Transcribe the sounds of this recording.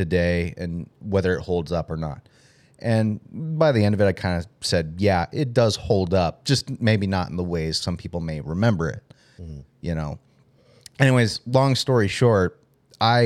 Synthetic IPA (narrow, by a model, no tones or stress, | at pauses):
tɨdeɪɨ̰̃nwɛðə˞ɨt̚hoʊlˠdzʌpə˞nə̰t̚ | ʔɨ̃nbaɪðiɛ̃ndʌvɨɾaɪkʰãɪ̃ndɨsɛd̚jæʔɪt̚d̥ʌz̥hoʊlˠdʌp̚d̥ʒ̥ʌsmeɪbinəɾn̩ðəweɪz̥sʌ̃mpʰipl̩ˠmeɪɹɨmɛ̃mbə˞ɪ̰t̚ | jʔɨnoʊ | ʔɛñiweɪzlɔ̃ŋstɔɹiʃɔɹt̚ | ʔaɪ